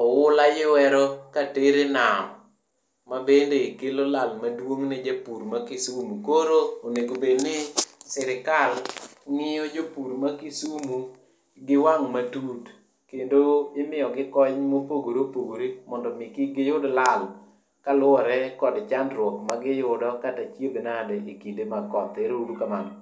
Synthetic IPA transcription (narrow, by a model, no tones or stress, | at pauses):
ɔwʊlajɪwɛɾɔkateɾenamː | abendekelolalmadwoŋnɪd͡ʒapuɾmakɪsumukoɾooneɡobednɪsɪɾɪkalŋɪjɔd͡ʒopuɾmakisumu | ɡɪwaŋmatud | kendoɪmɪɔɡɪkɔɲmopoɡoɾopoɡoɾemɔndɔmɪkɪɡɪjʊdɔlal | kalʊɔɾɛkɔdt͡ʃandɾwɔkmaɡɪjʊdɔkatat͡ʃjebenadɛikindemakɔt̪ɛɾudukamanɔ